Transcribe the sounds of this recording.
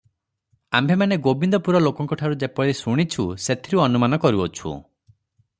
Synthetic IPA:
ambʱemaneɡobind̪ɔpuɾɔlokɔŋkɔʈʰaɾud͡ʒepɔiɾesuɽ̃it͡ʃʰuset̪ʰiɾuɔnumanɔkɔɾuɔt͡ʃʰṵ

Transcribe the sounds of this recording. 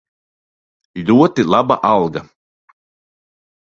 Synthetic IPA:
lʲuɔt̪ilˠaba̰ʔalˠɡa

